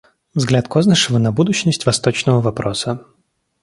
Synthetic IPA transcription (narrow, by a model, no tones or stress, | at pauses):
vzɡlʲat̪koznəʂɨvənɐbud̪ʊɕnəsʲtʲvɐst̪o̞t͡ɕnəvəvɐpɾosə